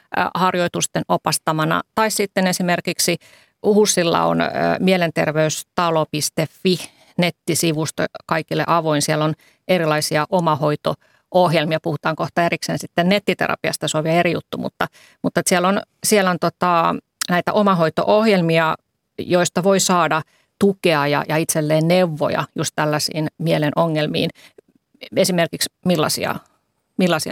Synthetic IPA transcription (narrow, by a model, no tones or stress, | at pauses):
hɑrjoit̪ust̪enopɑst̪ɑmɑnɑ̰t̪ɑissit̪ːenesimerkiksi | husːilːɑ̰o̰n̰ːmielent̪ḛrʋeyst̪ɑlopist̪efːi | net̪ːisiʋust̪ɑ̰kɑikilːḛʔɑʋoinsiɛlːon | erilɑisiɑʔomɑhoit̪o | ʔohjelmiɑpuhut̪ɑːŋkoht̪ɑeriksḛːnsit̪ːennet̪ːit̪ḛrɑ̰piɑ̰st̪ɑsoʋiæeɾijut̪ːumṵt̪ːɑ | mut̪ːet̪siælːon | siælont̪ot̪ɑ | næit̪æ̰ʔomɑhoit̪o̰ʔohjelmiɑ | joist̪ɑʋoisɑːdɑ | t̪ukeɑjɑ̰jɑit̪selːeːnneuʋːo̰jɑ̰just̪t̪ælːæsḭːnmielenʔoŋːelmḭːn | esimerkiksmilːɑ̰sḭɑ̰ | milːɑsiɑ̰